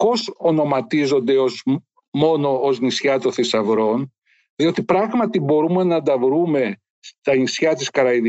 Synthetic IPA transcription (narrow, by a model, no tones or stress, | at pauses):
po̞so̞no̞mɐt̪izo̞nd̪e̞oz | mo̞no̞oznisçɐt̪oθisɐvɾo̞n | ðio̞t̪ipɾɐɣmɐt̪ibo̞ɾume̞nɐnd̪ɐvɾume̞ | st̪ɐnisçɐt̪iskɐɾɐið